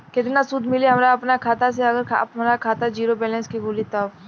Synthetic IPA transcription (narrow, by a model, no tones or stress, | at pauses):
kɪt̪ɪnasud̪ʱmɪleɦɐmɾaɐpnakʰaːt̪as̬eɐɡəɾʰpmɾakʰaːt̪ad͡ʒiːɾobɛːlɛ̃nskiɡʱuːlit̪a